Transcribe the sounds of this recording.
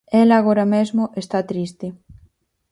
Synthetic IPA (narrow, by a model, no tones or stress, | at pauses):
elaːɣ̞oɾamezmʊʔest̪at̪ɾist̪e